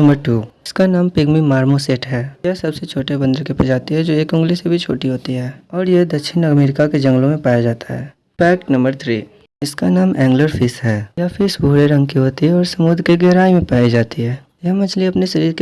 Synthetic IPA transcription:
nɐ̃mbəɾʈuːɪskanaːmpɪɡmimaːɾmoseːʈɦɛːjɐɦsɐbset͡ʃʰoːʈebɐ̃nd̪əɾkepɐd͡ʒaːt̪iɦɛd͡ʒoːeːkʊ̃ŋɡlisebʱit͡ʃʰoːʈiɦoːt̪iɦɛːɔːɾjeɦd̪ɐkʃʰɪnɐmeːɾɪkaked͡ʒɐ̃ŋɡlõmẽpaːjad͡ʒaːt̪aɦɛ̰ː | pɛːk̚ʈnɐ̃mbəɾt̪ʰɾiː | ɪskanaːmɛ̃ːŋɡləɾfʰɪsɦɛːjaːfʰɪsbʱuːɽeɾɐ̃ŋɡkiɦoːt̪iɦɛɔːɾsɐmʊd̪ʱɾkeɡɛɦɾaːimẽpaːid͡ʒaːt̪iɦɛː | jɛɦmɐt͡ʃliɐpneʃɐɾiːɾk

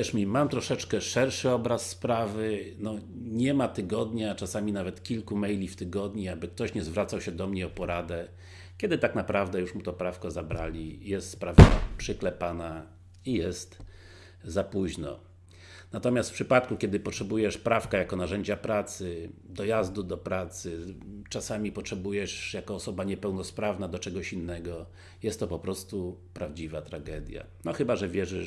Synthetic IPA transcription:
jɛʂmʲimamt̪ɾɔʂɛt͡ʂkɛʂɛɾʂɘɔbɾasːpɾavɘnɔɲɛmat̪ɘɡɔd̪ɲat͡ʂasamʲinavɛt̪kʲilkumɛjlʲift̪ɘɡɔd̪ɲiabɘk̚t̪ɔɕɲɛzvɾat̪sawɕɛd̪ɔmɲɛɔpɔɾad̪ɛ | kʲɛd̪ɘt̪aknapɾavd̪ɛjuʂmut̪ɔpɾafkɔzabɾa̰lʲijɛst̪spɾava̰pʂɨklɛpana | ijɛst̪ | zapuʑnɔ̰ | nat̪ɔmʲjast̪fpʂɘpat̪kukʲjɛd̪ɘpɔtʂɛbujɛʂpɾafkajakɔnaʐɛɲd͡ʑapɾat̪sɘd̪ɔjazd̪ud̪ɔpɾat̪sɘt͡ʂasamʲipɔtʂɛbujɛʂjakɔːsɔbaɲɛpɛwnɔspɾavnad̪ɔt͡ʂɛɡɔɕinːɛɡɔ | jɛst̪ːɔpɔpɾɔst̪upɾavd͡ʑivat̪ɾaɡɛd̪ʲja̰ | nɔxɘbaʐɛvʲjɛʐɘ

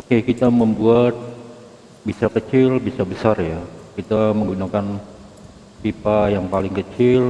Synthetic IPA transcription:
okekit̪aməmbuat̪̚ | bisakət͡ʃɪlbisabəsarjakit̪aməŋɡunakan | pipajaŋpalɪŋkət͡ʃɪl

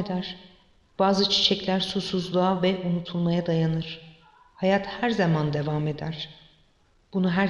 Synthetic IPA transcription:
ed̪æɾ̥ | b̥aːzɯt͡ʃʰi̥t͡ʃʰɛclʲæɾsusuzlˠaːvɛʔunut̪ʰulˠmajad̪ajanɯɾ̥ | hajat̪hæɾzamand̪e̞vame̞d̪æɾ̥ | b̥unuɦæɾ

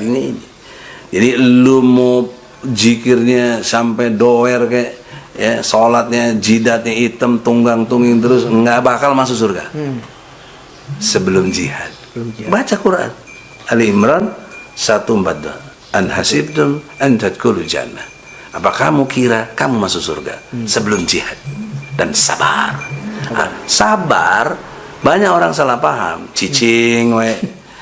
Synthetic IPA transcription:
inaini | d͡ʒadilumo | d͡ʒikɪrɲasampɛdoɛrkaɛʔjasolat̪̚ɲad͡ʒidat̪̚ɲait̪əmt̪uŋɡaŋt̪uŋɡɪŋt̪əɾʊsŋɡabakalmas̬usʊrka̰ | səbəlʊmd͡ʒiha̰t̪̚bat͡ʃakuɾaʔa̰n | aliimɾɔnsat̪umpat̪̚da̰ | ʔanɦasib̚dʊmantat̪̚kolud͡ʒa̰nːa̰ | apakamukiɾakamumasusṵrɡa̰səbəlʊmd͡ʒihat̪̚dansa̰ba̰rʔa̰sabar | baɲakoɾaŋsalahpaɦa̰mt͡ʃit͡ʃɪŋwe

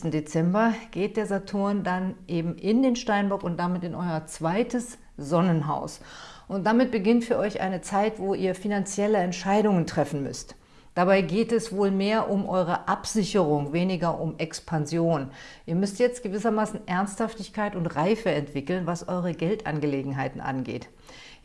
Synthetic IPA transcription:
tn̩det͡sɛmbɐɡ̥eːt̚d̥eːɐzatʰʊːɐndanʔeːbm̩ʔɪndeːnʃtaɪnbɐkʊnt̚d̥amɪtɪnʔɔʏɐt͡sv̥aɪtəs | z̥ɔnənɦa̰ʊsʔʊnt̚d̥amɪt̚b̥əɡɪntfyːɐʔɔʏçʔa̰ɪnət͡saɪtv̥oːʔiːɐfinant͡sjɛləɛntʃaɪdʊŋəntʁ̥ɛfn̩mʏ̰st | d̥abaɪɡeːtɛsv̥oːlmeːɐʔʊmʔɔʏʁ̞əʔapz̥ɪçəʁ̞ʊŋveːnɪɡɐʔʊmʔɛkspʰanzjoːnʔiːɐmʏstjɛt͡stɡ̥əvɪsɐmaːsn̩ʔɛɐnsthaftɪçkʰaɪtʊntʁaɪfəɛntv̥ɪkl̩nvasʔɔʏʁəɡɛltʔa̰nɡəleːɡŋ̩ɦaɪtn̩ʔa̰nɡḛːt

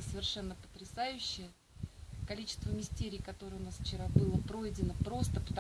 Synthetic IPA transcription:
səvʲɪrʂɛnːəpə̥t̪ɾʲɪsajʉɕːɪjə | kɐlʲit͡ɕɪ̥st̪vəmʲɪsʲtʲeɾʲijkɐt̪o̞ɾəjəʊnasft͡ɕɪɾabɨlˠəpɾo̞jɪdʲɪnəpɾo̞st̪əpə̥t̪ɐ

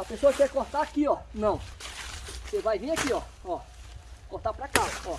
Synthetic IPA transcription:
ɐpesoɐkɛɾkoɾt̪aakiɔnɐ̃w̃ | sevajvĩakiɔ | ɔ | koɾt̪apɾakaɔ

